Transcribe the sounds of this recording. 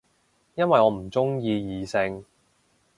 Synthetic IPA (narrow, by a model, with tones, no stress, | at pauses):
jɐ˥nwɐ˨jɔː˨˧m̩˨˩t͡sʊ˥ŋjiː˧jiː˨˧sɪ˧ŋ